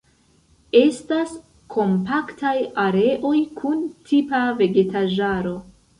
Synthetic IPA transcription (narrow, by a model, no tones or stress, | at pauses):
e̞stas | kʰo̞mpaktʰajaɾe̞ʔo̞jkʰuntʰipave̞ɡe̞taʒaɾo̞